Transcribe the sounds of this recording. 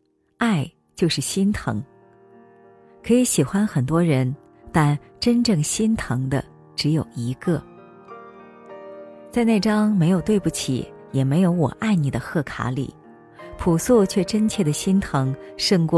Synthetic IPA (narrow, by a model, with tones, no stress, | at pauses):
a˥˩˧ɪ | t͡ɕjo˥˧ʊʂɻ̩˥˩ɕi˥nt̪ʰɤ̰˧˥ŋ | kʰɤ˧˥i˧˥ɕi˨˩xwa˥nxə˨˩nt̪wɔ˥ɻə˧˥n | t̪a˥˩n | ʈ͡ʂə˥nʈ͡ʂɤ˥˩ŋɕi˥nt̪ʰɤ˧˥ŋd̪ə̰˧ | ʈ͡ʂɻ̩˧˥jo˨˩ʊi˧˥kɤ˥˩ | t͡sa˥˧ɪne˥˩ɪʈ͡ʂɑ˥ŋme˧˥ɪjo˨˩ʊt̪we˥˧ɪpu˥˩t͡ɕʰḭ˨˩˦jɛ˨˩me˧˥ɪjo˧˥ʊwɔ̰˨˩ʔa˥˩ɪni˨˩d̪ə˦xɤ˥˩kʰa̰˧˥lḭ˨˩˦ | pʰu˨˩su˥˧t͡ɕʰɥɛ˥˩ʈ͡ʂə˥nt͡ɕʰjɛ˥˩d̪ə˩ɕi˥nt̪ʰɤ˧˥ŋʂɤ˥˧ŋkwɔ˥˩